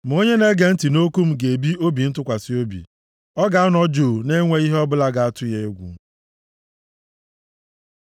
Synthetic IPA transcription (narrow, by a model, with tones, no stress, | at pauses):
m̩˨o˦ɲe˦ne˦ɡe˨n̩˦ti˨no˦ku˦m̩˦ɡe˨bi˦o˦bi˨n̩˦tʊ˦kʷa˨si˦o˦bḭ˨ | ɔ˦ɡa˨a˦nɔ˦d͡ʒoː˨ne˦ŋʷe˦i˦ɦe˦ɔ˦bʊ˦la˦ɡa˨a˦tʊ˦je˦e˦ɡʷṵ˨˦